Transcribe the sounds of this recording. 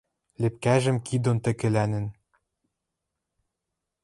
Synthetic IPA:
lɘ̆p̚kæʒɘ̆mkid̪ont̪ɘ̆kɘ̆lænɘ̆n

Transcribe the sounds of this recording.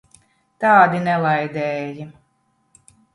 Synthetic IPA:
t̪aːd̪inɛlˠajd̪ɛːji

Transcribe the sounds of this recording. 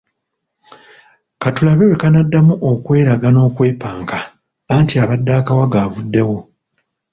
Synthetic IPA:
katulaβewe̞kanadːamuʔokwe̞ːɾaɡano̞ːkwe̞ːpaːŋkaː | ntiaβadːaːkawaɡaːβudːe̞wo̞

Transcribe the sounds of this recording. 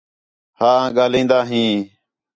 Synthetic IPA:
haːãːɠaːlĩːnd̪aːɦĩː

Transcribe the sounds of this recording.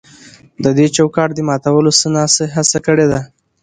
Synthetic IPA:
d̪əd̪et͡ʃawkɑʈ̚d̪əmɑt̪awəlosənɑsəɦasakəɽed̪a

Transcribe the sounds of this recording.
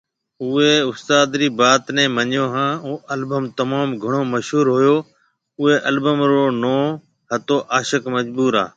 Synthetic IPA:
ʊeːʊst̪aːd̪ɾiːbaːt̪nɛ̃ːməɲjoːɦãːoːəlbəmt̪əmaːmɡʱəɳ̃oːməʃɦuːɾɦoːjoː | ʊɦeːʔəlbəmɾoːnoː | ɦət̪oːʔaːʃəkməd͡ʒbuːɾa̰ː

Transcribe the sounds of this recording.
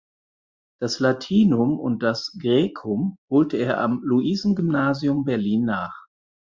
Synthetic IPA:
d̥aslatʰiːnʊmʊ̰nt̚d̥asɡ̥ʁeːkʰʊmhoːltəeːɐʔa̰mluʔiːzn̩ɡʏmnaːziʊmbɛɐliːnːaːχ

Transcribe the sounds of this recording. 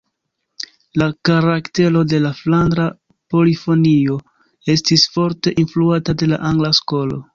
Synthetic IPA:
lakaɾakte̞lo̞de̞laflandɾa | po̞lifo̞nio̞ | e̞stisfo̞ɾte̞ʔinfluatade̞la̰ʔaŋɡlasko̞lo̞̰

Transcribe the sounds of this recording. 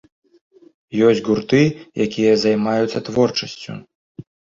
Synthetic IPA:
jɔsʲɡurt̪ɨjakʲijɐzajmajut̪sːɐt̪vɔrt͡ʂɐsʲt͡sʲṵ

